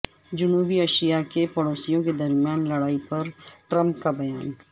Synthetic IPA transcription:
d͡ʒʊnuːbiəʃijakepɐɽoːsijõked̪ɐɾmjaːnlɐɽaːipɐɾʈɾə̃mp̚kabɐjaːn

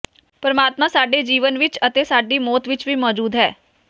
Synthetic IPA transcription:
pəɾəmaːt̪mãːsaːɖeːd͡ʒiːʋənʋɪt͡ʃət̪eːsaːɖiːmɔːt̪ʋɪt͡ʃʋiːmɔːd͡ʒuːd̪ɦɛː

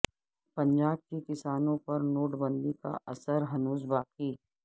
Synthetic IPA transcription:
pɐ̃ɲd͡ʒaːb̚kikɪsaːnõpɐɾnoːʈbə̃nd̪ika̰ʔɐsəɾɦɐnuːs̬baːqiː

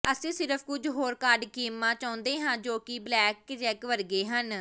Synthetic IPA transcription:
əsẽːsɪɾəpʰkʊd͡ʒɦoːɾkaːɾɖkiːmːãːt͡ʃaːʊ̃nd̪eːɦãːd͡ʒoːkɪblɛːkːt͡ʃɛːkʋəɾɡeːɦən

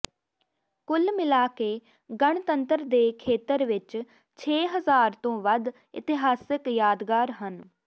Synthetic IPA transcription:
kʊlmɪlaːkeː | ɡəɳt̪ənt̪əɾd̪eːkʰeːt̪əɾʋɪt͡ʃ | t͡ʃʰeːɦəzaːɾt̪õːʋəd̪ | ɪ̰t̪ɪɦaːsɪkjaːd̪ɡaːɾɦən

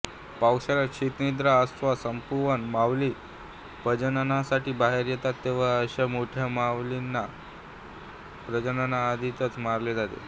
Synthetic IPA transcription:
pawɕalaɕit̪nid̪ɾaəst̪ʋasəmpuʋənmaʋliː | pəd͡ʑənanasaʈiːbaɦeɾjɛt̪at̪ːeʋ̤aəɕamoʈʰjamaʋlinːa | pɾəd͡ʑənanaːd̪ʱit̪ət̪maɾled͡zat̪ḛ

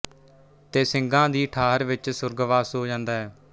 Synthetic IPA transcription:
t̪eːsɪŋɡãːd̪iːʈʰaːɾʋɪt͡ʃsʊɾɡʋaːsɦoːd͡ʒãːnd̪aːɦɛː

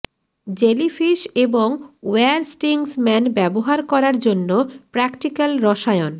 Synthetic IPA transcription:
d͡ʑelifʰiʃeboŋweaɾsʈiŋsmɛnbɛboɦaɾkɔɾaɾd͡ʑonːopɾɛkʈikalɾɔʃaeon

